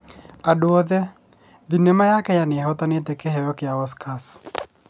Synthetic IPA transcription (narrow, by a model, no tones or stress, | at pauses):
adwɔðɛ | d̪inemajakɛjanɪɦɔt̪anet̪ekeɦɛjɔkɪaɔskʰas